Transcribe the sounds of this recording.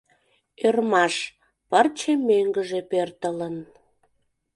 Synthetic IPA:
ørmɑʃ | pərt͡ɕemøŋɡəʒepørt̪ələn

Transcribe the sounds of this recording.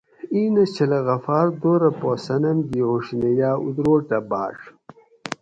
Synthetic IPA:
iːnɐt͡ɕɐlɐɣɐfaːɾd̪oːɾɐposɐnɐmɡiʁuʂnejaːṵd̪ɾoːʈɐba̰ːʂ

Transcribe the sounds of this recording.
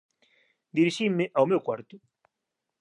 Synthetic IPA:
d̪iɾiʃimːɪʔawmewkwaɾt̪ʊ

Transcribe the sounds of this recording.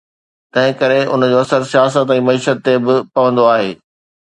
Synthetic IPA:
t̪ɐ̃ɦɪ̃kɐɾeʊ̰nd͡ʑoːɐsəɾsijaːs̬ət̪ɛ̃ːmɐiːʃət̪ːebɪpɐʋə̃nd̪oaːɦeː

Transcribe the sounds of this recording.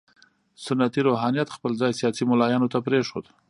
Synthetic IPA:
sʊnat̪iɾoɦɑnijat̪xpəlzɑjsijɑsimʊlɑjɑnot̪apɾeʂo̰d̪

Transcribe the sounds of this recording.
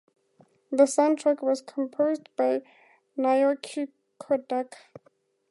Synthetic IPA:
ðəsãʊ̃ntʰɹ̥ɛkwʌz̥kʰə̃mpʰoʊzdbaɪ | naɪɔkʰi | kʰɔdɛk

